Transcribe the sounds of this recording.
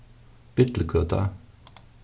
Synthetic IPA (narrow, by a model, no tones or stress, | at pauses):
b̥ɪt̪l̩kʰøːt̪ʰɑ̰